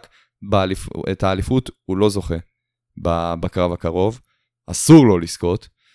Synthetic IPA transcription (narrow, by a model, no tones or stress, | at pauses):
k | bealifḛtaːlifuthulo̞zo̞χe̞ | babakʁavakaʁo̞v | a̰suʁlo̞lisko̞t